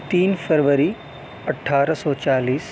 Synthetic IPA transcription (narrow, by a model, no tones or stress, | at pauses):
t̪iːnfʰəɾʋəɾi | ɐʈʰaːɾəsɔːt͡ʃaːliːs